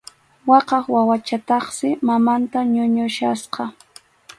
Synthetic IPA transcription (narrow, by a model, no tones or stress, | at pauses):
wɑqɑχwawat͡ʃat̪ɑχsɪmamant̪aɲʊɲʊʃasqɑ